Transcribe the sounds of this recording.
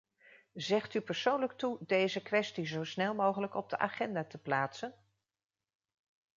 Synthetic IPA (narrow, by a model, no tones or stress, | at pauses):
zɛχtypəɹsownlək̚tudejzəkʋɛstizowsnɛlˠmowχələkɔb̚dəʔa̰ːχɛndaːtəplaːtsən